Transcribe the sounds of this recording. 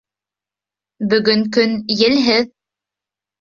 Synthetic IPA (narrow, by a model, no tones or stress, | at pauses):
bɵ̆ɡɵŋkɵnjɘ̆lɦɘð